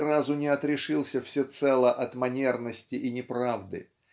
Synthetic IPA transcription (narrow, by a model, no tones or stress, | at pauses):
razʊnʲɪɐt̪ɾʲɪʂɨlˠsʲəfsʲɪt̪sɛlˠəʔɐt̪mɐnʲernəsʲtʲɪʔɪnʲɪpɾavd̪ɨ̰